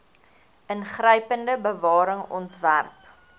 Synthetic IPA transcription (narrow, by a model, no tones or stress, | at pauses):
ənχrəjpəndəbəvɑːɾəŋɔ̰ntværp